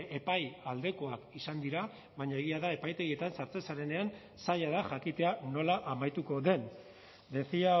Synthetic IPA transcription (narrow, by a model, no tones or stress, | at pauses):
e̞pajald̪e̞ko̞akisand̪iɾa | βaɲae̞ɣ̞iaðae̞pajt̪e̞ɣie̞t̪ansaɾt͡se̞saɾe̞ne̞an | saʎaðaʝakit̪e̞ano̞laʔamajt̪uko̞ðe̞n | d̪e̞θia